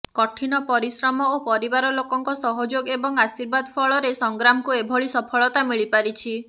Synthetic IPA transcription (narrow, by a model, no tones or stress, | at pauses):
kɔʈʰinɔpɔɾisɾɔmɔopɔɾibaɾɔlokɔŋkɔsɔɦɔd͡ʒoɡebɔŋasiɾbad̪ɔpʰɔɭɔɾesɔŋɡɾamɔkuebʱɔɭisɔpʰɔɭɔt̪amiɭipaɾit͡ʃʰi